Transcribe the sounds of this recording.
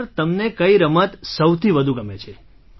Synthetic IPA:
ɾt̪əmnekəiɾəmət̪səwt̪ʰiʋəd̪ʱuɡəmet͡ʃʰe

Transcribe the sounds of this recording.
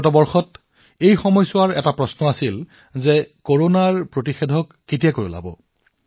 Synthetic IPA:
t̬ɔbɔɹxɔt | ejxɔmɔjsʊwaɹɛtapɹɔsnɔasil | zɛkoɹonaɹpɹotixedʱɔkːet̬ijakojʊ̰la̰bɔ̰

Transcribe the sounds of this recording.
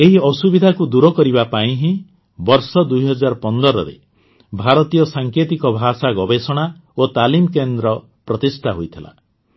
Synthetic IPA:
eɦiɔsubid̪ʱakud̪uɾɔkɔɾibapaĩɦĩ | bɔɾsɔd̪ujɦɔd͡ʒaɾɔpɔnd̪ɔɾɔɾḛ | bʱaɾɔt̪ijɔsaŋket̪ikɔbʱasaɡɔbesɔɽ̃aot̪alimkend̪ɾɔ | pɾɔt̪ist̪ʰaɦojt̪ʰila̰

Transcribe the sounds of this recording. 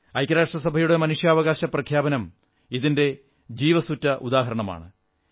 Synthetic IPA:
ɐjkːɐɾaːʂʈrɐsɐbʱɐjuɽe̞mɐnuʂjaːʋɐɣaːɕɐprɐkʰjaːbɐnɐm | iðinde̞ | d͡ʑiːʋɐsutːɐʔud̪aːɦɐɾɐɳɐma̰ːɳɨ

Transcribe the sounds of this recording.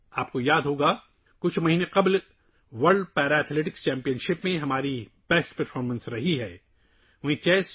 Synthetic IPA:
aːp̚kojaːd̪ɦoːɡaː | kʊt͡ʃʰmɐɦiːnẽqɐbl | ʋɐɾɖpɛːɾaɛːt̪ʰleːʈɪkst͡ʃɛ̃ːmpijənʃɪpmẽɦɐmaːɾib̥ɛːsʈpɐɾfʰɔːɾmə̃nsɾɐɦiɦɛː | ʋɐɦĩt͡ʃɛːs

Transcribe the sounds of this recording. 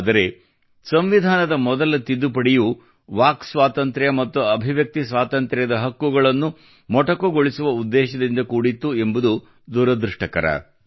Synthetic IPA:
d̪ɐɾe̞ | sɐmʋid̪ʱaːnɐd̪ɐmɔd̪ɐlɐt̪id̪ːupɐɽiju | ʋaːksʋaːt̪ɐnt̪ɾɐjɐmɐt̪ːuɐbʱiʋjɐk̚t̪isʋaːt̪ɐnt̪ɾɛjɐd̪ɐɦɐkːuɡɐɭɐnːu | mɔʈɐkuɡoɭisuʋɐud̪ːɛːʃɐd̪ind̪ɐkuːɽit̪ːue̞mbud̪u | d̪uːɾɐd̪ɾuʂʈɐkɐɾɐ̰

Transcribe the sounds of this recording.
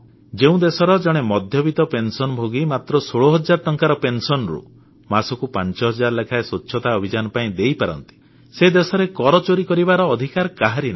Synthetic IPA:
d͡ʒeũd̪esɔɾɔd͡ʒɔɽ̃emɔd̪ʱjɔbit̪ɔpensɔnɔbʱoɡimat̪ɾɔsoɭoɦɔd͡ʒaɾɔʈɔŋkaɾɔpensɔnɾṵ | masɔkupant͡ʃɔɦɔd͡ʒaɾɔlekʰaesut͡ʃːʃʰɔt̪aɔbʱid͡ʒanɔpaĩd̪ejpaɾɔ̰nt̪i̥ | sed̪esɔɾekɔɾɔt͡ʃoɾikɔɾibaɾɔːd̪ʱikaɾɔkaɦaɾina

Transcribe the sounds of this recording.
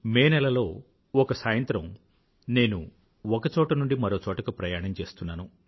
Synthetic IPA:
meːnɛlɐlo̞ː | ɔkɐsaːjɐnt̪ɾɐm | ne̞ːnu | ɔkɐt͡ʃɔːʈɐnuɳɖimɐɾo̞ːt͡ʃɔːʈɐkɐpɾɐjaːɳɐmt͡ʃe̞ːst̪unːaːnu

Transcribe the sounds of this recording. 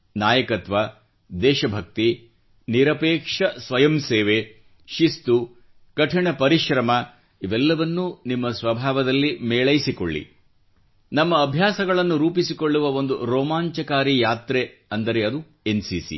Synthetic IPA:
naːjɐkɐt̪ʋa | d̪ɛːʃɐbʱɐk̚t̪i | niɾɐpɛːkʂɐsʋɐjɐmseːʋe | ʃist̪u | kɐʈʰiɳɐpɐɾiʃɾɐmɐ | iʋɛlːɐʋɐnːunimːɐsʋɐbʱaːʋɐd̪ɐlːimɛːɭɐjsiko̰ɭːḭ | nɐmːɐːbʱjaːsɐɡɐɭɐnːuɾuːpisiko̞ɭːuʋɐo̞nd̪uɾɔːmaːɲt͡ʃɐkaːɾijaːt̪ɾeɐnd̪ɐɾe̞ɐd̪u | ensiːsḭ

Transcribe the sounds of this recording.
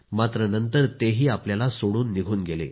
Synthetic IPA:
mat̪ɾənənt̪əɾt̪eɦiːapljalasoɽuːnːiɡʱuːnɡelḛ

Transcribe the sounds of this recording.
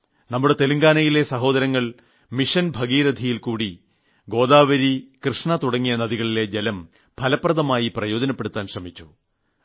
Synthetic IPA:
nɐmːuɽe̞t̪e̞luŋɡaːnɐjile̞sɐɦo̞ːðɐɾɐŋːɐɭ | miʂɐnbʱɐɡiːɾɐd̪ʱijilkuːɽi | ɡo̞ːðaːʋɐɾikrɨʂɳɐt̪uɽɐŋːijɐnɐðiɣɐɭile̞d͡ʑelɐm | pʰɐlɐprɐðɐmaːjiprɐjo̞ːd͡ʑɐnɐpːe̞ɽut̪ːaːnɕrɐmit͡ɕːu̥

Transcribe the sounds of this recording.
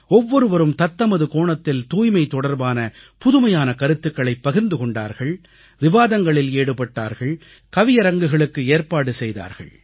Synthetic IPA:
ɔʋːɔɾɯʋɐɾɯmt̪ɐt̪ːɐmɐðɯkoːɳɐt̪ːɪlt̪uːjmɐɪt̪ɔɽɐɾbaːnɐpʊðɯmɐjaːnɐkɐɾɯt̪ːɯkːɐɭɐɪpːɐɣɪɾnd̪ɯkɔɳɖa̰ːɾɣɐɭ | ʋɪʋaːðɐŋɡɐɭɪleːɽɯpɐʈːa̰ːɾɣɐɭ | kɐʋɪjɐɾɐŋɡɯɣɐɭɯkːɯeːɾpaːɽɯsɛjða̰ːɾɣɐ̰ɭ

